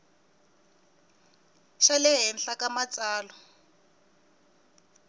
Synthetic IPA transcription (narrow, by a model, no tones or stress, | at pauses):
ʃalɪɦɛnɬakamat͡saːlɔ